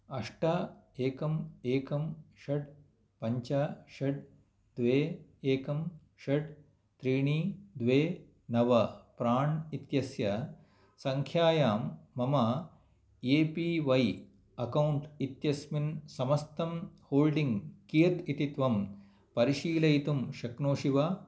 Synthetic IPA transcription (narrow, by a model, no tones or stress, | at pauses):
ɐʂʈɐeːkɐmeːkɐmʃɐʈ | pɐɲt͡ʃaʃɐɖ̚ | d̪ʋeːeːkɐm | ʃɐʈ | t̪ɾiːɳiːd̪ʋeː | nɐʋɐpɾaːɳit̪jɐsjɐ | sɐŋkʰjaːjaːmːɐmɐ | eːpiːʋɐj | ɐkɐwuɳʈit̪jɐsminsɐmɐst̪ʰɐmhoːlɖiŋɡkiːɾt̪it̪it̪ʋɐm | pɐɾiʃiːlɐjt̪umʃɐknoːʃiʋa